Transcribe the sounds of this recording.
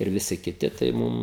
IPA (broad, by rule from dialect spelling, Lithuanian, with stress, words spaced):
ɪr ʋʲɪˈsʲɪ kʲɪˈtʲɪ tɐɪ ˈmʊm